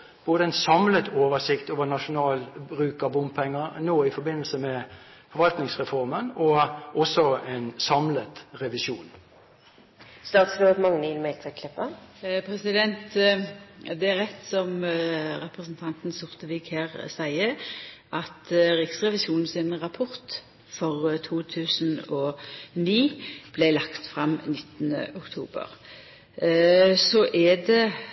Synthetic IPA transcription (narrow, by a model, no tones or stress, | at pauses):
b̥oːd̪əɛnsɑmlət̪oːʋəsɪkt̪oːʋənɑʂʊnɑːlbʁʉːkəbʊmpʰɛŋːəʁnoːɪfɔɾbɪnːəlsəmɛ | fɔɾʋɑlt̪nɪŋsʁɛfɔʁmənɔʔɔsːɔɛnsɑmlət̪ʁɛʋɪsuːn | st̪ɑːt̪sɾod̪mɑŋniːlmɛɪlt̪ʰɛkʰlɪpːəpʰɾɛsɪd̪ɛnt̪ | d̪ɛæɾʁɛt̪ːsɔmʁɛpʁəsn̩t̪ʰɑnt̪nsʊʁt̪əʋiːkheːʁsæɪəʔɑt̪ʁɪksʁɛʋɪsuːnn̩sɪnʁɑpʰɔʁt̪ | fɔʁt̪ʰuːt̪ʰʉːsn̩ɔniːb̥lɛlɑkt̪fʁɑmnɪt̪ːənə̰ʔʊkt̪ʰṵːbə̰ʁ | sɔʔɛd̪ɛ